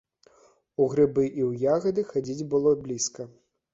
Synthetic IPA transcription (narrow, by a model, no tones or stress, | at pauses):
uɣɾɨbɨʔiwjaɣɐd̪ɨxad͡zʲid͡zʲbɨlˠɔblʲiskɐ